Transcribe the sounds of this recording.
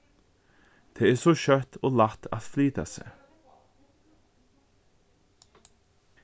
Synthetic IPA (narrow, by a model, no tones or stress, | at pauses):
t̪ʰeːɛːsɔʃœt̪oːlat̪a̰ðfliːt̪a̰sɛ̰